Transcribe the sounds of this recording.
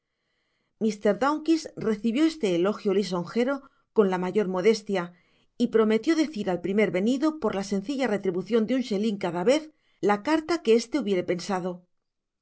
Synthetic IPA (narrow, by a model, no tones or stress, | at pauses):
mist̪e̞ɾðawŋkisre̞θiβjo̞e̞st̪e̞ːlo̞xjolis̬o̞ŋxe̞ɾo̞ | ko̞nlamaʝo̞ɾmo̞ðe̞st̪ja | ipɾo̞me̞t̪jo̞ðe̞θiɾalpɾime̞ɾβe̞niðo̞po̞ɾlase̞nθiʎare̞t̪ɾiβuθjo̞nd̪eunʃe̞liŋkaðaβe̞θ | lakaɾt̪ake̞e̞st̪e̞uβje̞ɾe̞pe̞nsaðo̞